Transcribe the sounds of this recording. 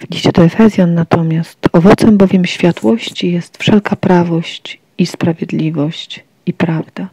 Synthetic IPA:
vd͡ʑit͡ɕɛt̪ɔɛfɛzʲjanːat̪ɔmʲjast̪ɔvɔt̪sɛmbɔvʲjɛmɕfʲjat̪wɔɕt͡ɕijɛst̪fʂɛlkapɾavɔɕt͡ɕ | ispɾavʲjɛd̪lʲivɔɕt͡ɕ | ipɾavd̪a

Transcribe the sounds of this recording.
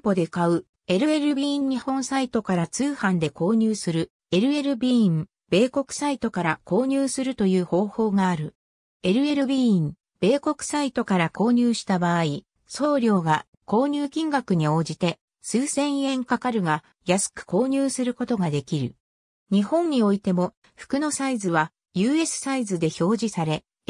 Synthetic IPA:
mpo̞d̪e̞kaɯ̟ | e̞ɾɯ̟e̞ɾɯ̟bʲĩɲ̟ːihõ̞ñsait̪o̞kaɾat͡sɨːhãnd̪e̞ko̞ːɲ̟ɨːsɨɾɯ̟ | e̞ɾɯ̟e̞ɾɯ̟bʲĩːm | be̞ːko̞kɯ̥sait̪o̞kaɾako̞ːɲ̟ɨːsɨɾɯ̟t̪o̞jɯːho̞ːho̞ːɡaːɾɯ̟ | e̞ɾɯ̟e̞ɾɯ̟bʲĩːm | b̥e̞ːko̞kɯ̟̥sait̪o̞kaɾako̞ːɲ̟ɨːɕi̥t̪abaːi | so̞ːɾʲo̞ːɡa | ko̞ːɲ̟ʲɨːkʲĩŋɡakɯ̟ɲ̟io̞ːd͡ʑit̪e̞ | sɨːsẽ̞ɰ̃ẽ̞ŋkakaɾɯ̟ɡa | jasɨ̥kɯ̟̥ko̞ːɲ̟ʲɨːsɨɾɯ̟ko̞t̪o̞ɡad̪e̞kʲiɾɯ̟ | ɲ̟ihõ̞ɲɲːio̞it̪e̞mo̞ | ɸɯ̟̥kɯ̟no̞saizɨβ̞a | jɯːe̞sɨ̥saizɨd̪e̞ço̞ːʑisaɾe̞

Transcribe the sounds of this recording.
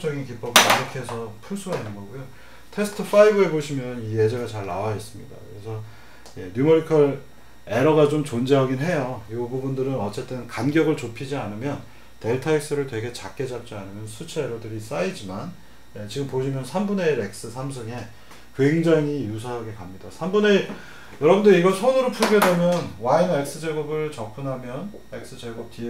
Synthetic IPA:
t͡ɕ͈ʌɡink̬ip͈ʌbɯaɾʌkʰeesʰʌpʰusʰuanːɯnɡʌɡujo | tʰe̞sʰɯ̥tʰɯfʰaibɯe̞boɕʰimjʌnije̞d͡ʑeɡat͡ɕaɭːawaes͈ɯmɲida̰kɯɾe̞sʰʌ | je̞njumʌɾikʰʌɾ | e̞ɾʌɡat͡ɕomt͡ɕond͡ʑeɦʌɡinɦe̞jojobubundɯɾɯnʌt͡ɕ͈e̞t͈ɯnkanɡjʌɡɯɭt͡ɕopʰid͡ʑianɯmjʌn | te̞ɭtʰaek̚s͈ɯɾɯɭtwe̞ɡe̞t͡ɕak͈e̞d͡ʑap̚t͡ɕ͈ianɯmjʌnsʰut͡ɕʰeeɾʌdɯɾis͈aid͡ʑiman | je̞t͡ɕiɡɯmpoɕʰimjʌnsʰambune̞ɾek̚s͈ɯsʰams̬ʰɯŋe̞ | kwe̞ŋd͡ʑaŋijus̬ʰaɦaɡekamɲidasʰambune̞ | jʌɾʌbundɯɾiɡʌsʰʌnɯɾopʰuɭɡjʌdwemjʌnwainek̚s͈ɯd͡ʑeɡubɯɭt͡ɕʌp͈ʰunɦamjʌn | e̞k̚s͈ɯt͡ɕeɡup̚ti

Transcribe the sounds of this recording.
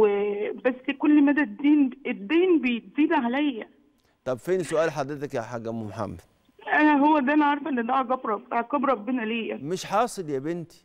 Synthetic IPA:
ebæsːkolːmæd̪æd̪ːiːned̪ːiːnbejet̪̚ziːd̪æʕalæjːæ | t̪ˤɑbfeːnisoʔæːlħad̪ɾet̪ækjaħaɡːæmumħa̰mːæd̪ | ʔænæɦowːæd̪æʔænæʕɑɾˤɑfʔenːed̪æaɡɑbɾˤɑbʔɑʕɡæbɾˤɑbːenæliːjæ̰meʃħɑːsˤeljæbent̪i̥

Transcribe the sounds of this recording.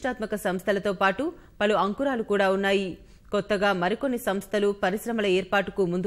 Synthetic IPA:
ʈaːt̪mɐkɐsɐmst̪ʰɐlɐt̪o̞ːpaːʈu | pɐluɐŋkuɾaːlukuːɽaːunːaːji | kɔt̪ːɐɡaːmɐɾikonːisɐmst̪ʰɐlupɐɾiʃɾɐmɐlɐɛːɾpaːʈukumund̪u

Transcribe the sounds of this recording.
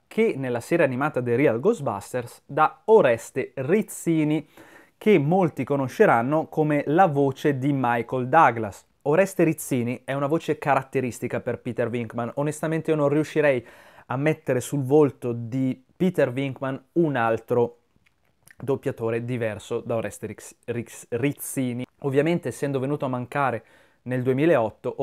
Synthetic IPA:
kʰenːelːasɛːɾeanimaːt̪ad̪eɾialɡozba̰st̪ersd̪aoɾɛst̪erit̪siːni | kemːolt̪ikonoʃːeɾanːokomelavoːt͡ʃed̪imajkold̪aɡlas | oɾɛst̪eɾit̪sːiːniɛunavoːt͡ʃekaɾat̪ːeɾist̪ikaperpiːt̪erviŋkmanonest̪ament̪eionõnriuʃːiɾɛj | amːet̪ːeɾesulvolt̪od̪i | pit̪erviŋkmanunalt̪ɾo | d̪opːjat̪oːɾed̪ivɛrsod̪aoɾɛst̪eririt̪siːniovːjament̪eːsːɛnd̪ovenuːt̪oamːaŋkaːɾe | neld̪uemiːleeɔt̪ːoʔ

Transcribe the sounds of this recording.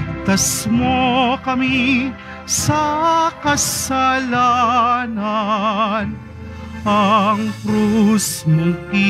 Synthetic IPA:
t̪ɐsmokɐmi | sɐkɐsɐlana | n | ɐŋkɾosnɐki

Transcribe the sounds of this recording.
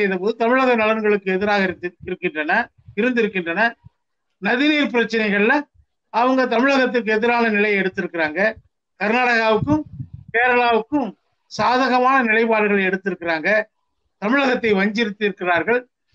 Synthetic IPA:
jɪðɐpoːðɯt̪ɐmɪɻɐɣɐnɐlɐɾɡɐɭɯkːɯɛðɪɾaːɣɐɪɾɯkːɪndrɐnɐ | ɪɾɯnd̪ɪɾɯkːɪndrɐnɐ | nɐðɪniːɾpɪɾɐt͡ʃːɐnɐɪɣɐɭlɐ | ɐʋɐŋɡɐt̪ɐmɪɻɐɣɐt̪ːɯk̬ːɯɛðɪɾaːnɐnɪlɐɪɛɽɯt̪ːɪɾɯkːɪɾaːŋɡɐ | kɐɾɯnaːɽɐɣaːʋɯkːɯmkeːɾɐɭaːʋɯkːɯm | saːðɐɣɐmaːnɐnɪlɐɪpaːɽɯɣɐɭɐɛɽɯt̪ːɪɾɯkːɪɾaːŋɡɐ | t̪ɐmɪɻɐɣɐt̪ːɐɪʋɐɲd͡ʒɪɾɯt̪ːɪɾɯkːɪraːɾɣɐɭ

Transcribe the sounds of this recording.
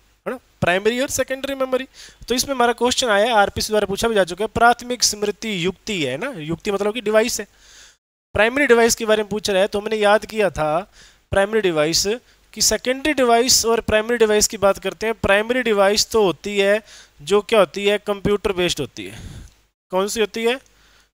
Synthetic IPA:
ɦɐɽ̃a | pɾaːɪməɾiɔːɾsɛkə̃ɳɖəɾimɛməɾit̪oɪsmẽmaːɾakoːst͡ʃənaːjaɦɛaːɾpiːsd̪waːɾepuːt͡ʃʰabʱid͡ʒaːt͡ʃʊkeɛpɾaːt̪ʰmɪksmɾɪt̪ːijʊkt̪iɦɛnajʊk̚t̪imɐt̪ləb̚kiɖɪʋaːɪsɦɛː | pɾaːɪməɾiɖɪʋaːɪskebaːɾemẽp̬uːt͡ʃʰɾaɦɛt̪oɦɐmnejaːd̪kijat̪ʰa | pɾaːɪməɾiɖɪʋaːɪs | kisɛːkə̃ɳɖəɾiɖɪʋaːɪsɔːɾpɾaːɪməɾiɖɪʋaːɪskibaːt̪kɐɾt̪ẽɦɛ̃pɾaːɪməɾiɖɪʋaːɪst̪oɦoːt̪iɦɛd͡ʒoːkjaɦoːt̪iɦɛkɐ̃mpjuːʈəɾpeːsʈɦoːt̪ḭɦɛ̰ː | kɔːnsiɦoːt̪iɦɛː

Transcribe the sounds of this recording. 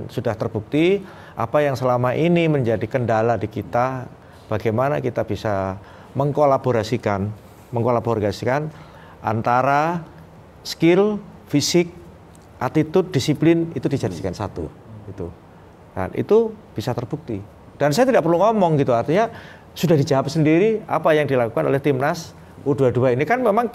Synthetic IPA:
nsudaht̪ərbuk̚t̪i | ʔa̰pajaŋsəlamaʔiniməɲd͡ʒadikəndaladikit̪a | b̥aɡajmana̰kit̪ab̥isa | məŋkolaboɾasikan | məŋkolaborɡasikan | ʔa̰nt̪aɾa | skɪl | fisɪk̚ | ʔat̪it̪ʊd̚disiplɪnit̪udid͡ʒadisi̥kansat̪ṵ | ɡ̥it̪ṵ | ka̰nʔḭt̪ub̥isat̪ərb̥uk̚t̪i | d̥ansajat̪idaʔpərluŋɔmɔŋɡit̪uart̪iɲa | sudahdid͡ʒaɦap̚səndiɾia̰pajaŋdilakukano̰lɛht̪imnas | uduaduainikanmemaŋ

